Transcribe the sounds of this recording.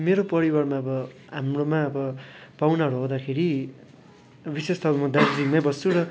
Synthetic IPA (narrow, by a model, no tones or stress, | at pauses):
meɾopʌɾibarmaʌbʌ | ɦamromaʌbʌpawnaɾoɦod̪akʰeɾi | bisest̪ʰʌbmʌd̪ard͡zikmabʌst͡sʰuɾʌ